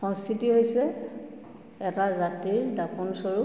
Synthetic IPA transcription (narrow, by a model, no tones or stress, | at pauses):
ɔnstʰitiɦojsɛ | ɛtazatiɹdapɔnsɔɹu